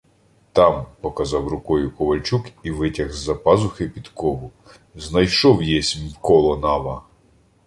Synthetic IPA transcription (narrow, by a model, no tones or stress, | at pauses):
t̪ɑmpɔkɐzɑwrʊkɔjʊkɔʋɐlʲt͡ʃukiʋɪtʲɐɣzːɐpɑzʊxɪpʲid̪kɔɦʊ | znɐjʃɔwjɛsʲmkɔlˠɔnɑʋɐ